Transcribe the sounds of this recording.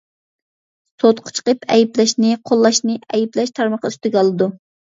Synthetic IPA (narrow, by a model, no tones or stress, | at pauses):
sot̪qʰʊ̥t͡ʃʰqəpʰɛ̰jiplɛʃnɪqʰolˠːɑʃnɨɛjiplɛʃt̪ʰɑɾmɑχɑyst̪ɪɡʲɑlˠɨd̪u